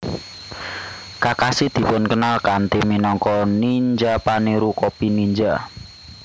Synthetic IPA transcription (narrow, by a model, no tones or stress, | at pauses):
kakasid̪̥i̤pʊnkənalkant̪iminɔŋkɔniɲd͡ʒapaniɾukɔpiniɲd͡ʒa